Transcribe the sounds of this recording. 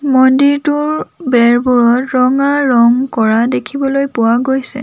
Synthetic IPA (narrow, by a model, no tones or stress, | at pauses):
mɔndiɹtʊɹbɛɹbuɹɔtɹɔŋaɹɔŋkɔɹadekʰibɔlojpʊwaɡojsɛ̰